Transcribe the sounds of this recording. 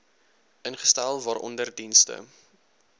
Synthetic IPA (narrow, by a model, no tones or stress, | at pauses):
ənχə̥stælˠvɑːɾʔɔ̰ndərdinstə̰